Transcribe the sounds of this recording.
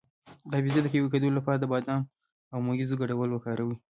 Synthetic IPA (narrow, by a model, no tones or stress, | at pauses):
d̪ɑbizad̪əkeweked̪olapɑɾad̪əbɑd̪ɑm | awmoɡizoɡaɽawəlwəkɑɾawi